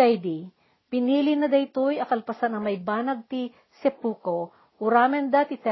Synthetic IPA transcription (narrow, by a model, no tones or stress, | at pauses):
ajd̪i | pɪniːlɪnɐd̪ɐɪt̪ojɐkɐlpɐsanɐŋmɐjbaːnɐɡ̚t̪i | sɛpuːko | ʔʊɾaːmɛnd̪at̪ɪt̪ɛ